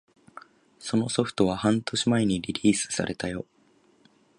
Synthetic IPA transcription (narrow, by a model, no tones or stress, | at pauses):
so̞no̞so̞ɸɯ̟̥t̪o̞βahãnt̪o̞ɕimae̞ɲ̟iɾʲiɾʲiːsɨ̥sa̰ɾe̞t̪ajo̞